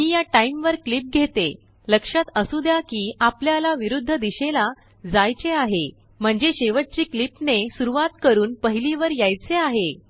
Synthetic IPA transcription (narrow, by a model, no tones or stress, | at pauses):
miːjaʈaimʋəɾklip̚ɡʱet̪e | ləkʂat̪əsud̪jakiːapljalaʋiɾud̪ʱːəd̪iɕela | d͡zajt͡seaɦe | m̤əɳd͡zeɕeʋət̪̚t͡ɕiːklipnesuɾuʋat̪kəɾuːnpəɦiliʋəɾjajt͡seaɦe